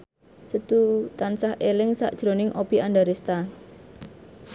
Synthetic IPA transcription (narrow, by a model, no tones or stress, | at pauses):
sət̪ut̪ansahelɪŋsa̰ʔd̥ʒ̥ɾonɪŋʔobianɖaɾest̪a